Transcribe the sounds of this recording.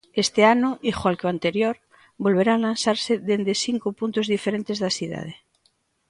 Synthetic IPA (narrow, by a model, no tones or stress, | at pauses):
est̪eanoʔixwalkeoant̪eɾjoɾ | bo̞lβ̞eɾalansaɾseðend̪esiŋkopunt̪ozðifeɾent̪ezðasiða̰ð̞e